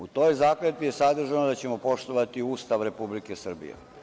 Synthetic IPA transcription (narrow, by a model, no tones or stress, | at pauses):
ut̪o̞ːjzaːklet̪bije̞sad̪r̩ʒanod̪at͡ɕe̞mo̞po̞ʃt̪o̞ʋat̪iuːst̪aʋɾe̞publike̞sr̩bḭjḛ